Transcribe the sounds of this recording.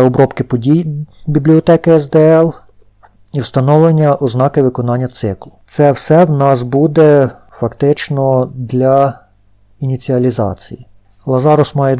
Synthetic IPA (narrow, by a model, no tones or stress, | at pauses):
ɔbɾɔpkɪpɔdʲijbʲiblʲiɔt̪ɛkɪɛzd̪ɛɛlˠ | iwst̪ɐnɔwlˠenʲːɐʔɔznɑkɪʋɪkɔnɑnʲːɐt̪sɪklˠʊt̪sɛwsɛwnɑsbud̪ɛ | fɐkt̪ɪt͡ʃnɔd̪lʲɐ | inʲit͡sʲiɐlʲizɑ̰t͡sʲiji | lˠɐzɑɾɔsmɑjɛ